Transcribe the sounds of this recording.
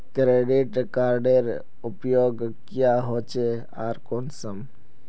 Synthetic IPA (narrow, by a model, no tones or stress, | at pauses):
kɾeɖiʈkaɾɖeɾ | upjoːɡkjaɦot͡ʃe | aɾkoːnsəm